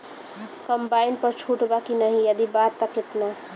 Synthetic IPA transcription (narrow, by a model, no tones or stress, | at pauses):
kəmbainpəɾt͡ʃʰuʈbakinəɦĩjəd̪ibat̪ːəket̪na